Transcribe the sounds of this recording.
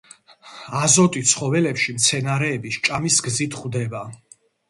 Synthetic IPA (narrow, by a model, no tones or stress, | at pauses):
azɔt̪ʼit̪sʰχɔvɛlɛpʃimt̪sʰɛnaɾɛːbiʃt͡ʃʼamisɡzit̪ʰχvd̪ɛba